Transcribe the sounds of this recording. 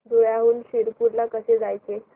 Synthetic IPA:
d̪ʱuɭjaɦuːnɕiɾpuɾlakəsed͡zajt͡se

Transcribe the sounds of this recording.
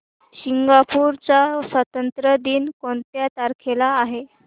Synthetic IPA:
ɕiŋɡapuːɾt͡sasʋət̪ənt̪ɾəd̪iːnkoɳt̪jat̪aɾkʰelaːɦe

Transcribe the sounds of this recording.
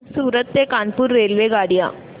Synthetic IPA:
suːɾɐt̪ːeːkaːnpuːɾːeːlʋeːɡaːɽɪja̰ː

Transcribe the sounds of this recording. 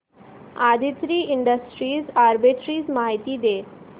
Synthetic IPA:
ad̪ʱit̪ɾiːiɳɖəsʈɾiːsaɾbiʈɾiːsmaɦit̪iːd̪e

